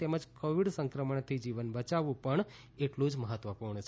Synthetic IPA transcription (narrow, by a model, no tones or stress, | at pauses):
t̪eməd͡ʒkoʋiɽsə̃ŋkɾəməɳt̪ʰid͡ʒiʋənbət͡ʃaʋũpəɳ | eʈlũd͡ʒməɦət̪ʋəpuɾɳət͡ʃʰ